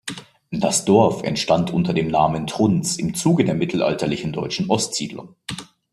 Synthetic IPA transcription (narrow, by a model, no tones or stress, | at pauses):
d̥asd̥ɔɐfɛ̰ntʃtantʔʊntɐdeːmnaːməntʁ̥ʊnt͡sɪmt͡suːɡədeːɐmɪtʰl̩ʔa̰ltɐlɪçn̩dɔʏt͡ʃn̩ʔɔstz̥ḭːdlʊ̰ŋ